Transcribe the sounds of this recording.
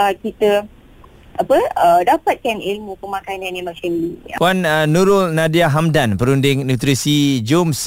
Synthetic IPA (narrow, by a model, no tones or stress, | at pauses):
akit̪ə | ʔapəədapat̪̚kanilmũpəmãkanãnimat͡ʃənlipuanːuɾʊlnãdiaɦamdanpəɾundɪŋnũt̪ɾisid͡ʒoms